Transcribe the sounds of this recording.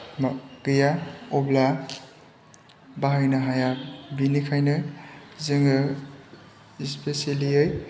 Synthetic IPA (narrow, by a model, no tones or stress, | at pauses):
maɡɯjaɔbla | baɦajnaɦajabinikʰajnɯjzɯŋɯ | ispeseliɯj